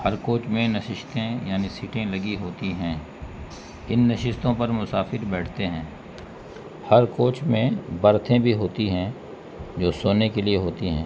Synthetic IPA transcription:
hɐɾkoːt͡ʃmẽnɐʃɪʃt̪ẽjaːnisiːʈẽlɐɡiɦoːt̪iɦɛ̃ː | ɪnːɐʃɪst̪õpɐɾmʊsaːfɪɾbɛːʈʰt̪eɦɛ̃ː | hɐɾkoːt͡ʃmẽbɐɾt̪ʰẽbʱiɦoːt̪iɦɛ̃ | d͡ʒoːsoːnekelieɦoːt̪iɦɛ̰̃ː

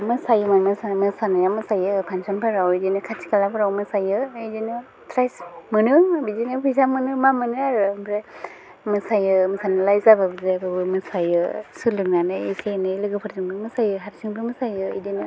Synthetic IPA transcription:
mɯsajɯmamɯsamɯsanɯjamɯsajɯpʰansɔnpʰaɾawidinɯkʰat͡ʃi̥kalapʰɯɾawmɯsajɯejdinɯ | tʰɾajsmɯnɯbizinɯpʰujzamɯnɯmamɯnɯaɾɯbʰɾe | mɯsajɯmɯsanɯlajzababɯzebabɯmɯsajɯsulɯnanɯisenɯjlɯɡɯpʰɯɾsiŋbɯmɯsajɯɦaɾsiŋbɯmɯsajɯḛjdinɯ

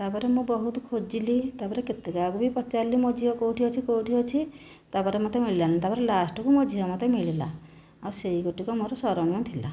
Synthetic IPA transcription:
t̪apɔɾemũbɔɦut̪ɔkʰod͡ʒilit̪apɔɾeket̪ekɔakubipɔt͡ʃalimɔd͡ʒiɦɔkowʈʰiɔt͡ʃʰikowʈʰiɦɔt͡ʃʰi | t̪apɔɾemɔt̪emiɭilalit̪apɔɾelasʈɔkumɔd͡ʒʱiɦɔmɔt̪emiɭila̰ | awseiɡoʈikɔmoɾɔsɔɾɔniɔt̪ʰila̰

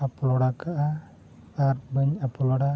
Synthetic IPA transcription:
aplɔɽakaʔa | aɾbəɲapɔlɔɽa

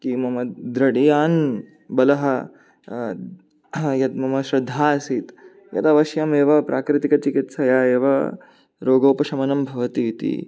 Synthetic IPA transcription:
kimɐmɐd̪ɾɐɽijaːn | bɐlɐɦɐ | jɐt̪̚mɐmɐʃɾɐd̪ʱːaːsit̪ | jɐ̰t̪ɐʋɐʃjɐmeːʋɐpɾʔaːkɾɪt̪ikɐt͡ʃikit̪sɐjaːeːʋɐ | ɾoːɡoːpɐʃɐmɐnɐmbʱɐʋɐt̪iːt̪ḭ

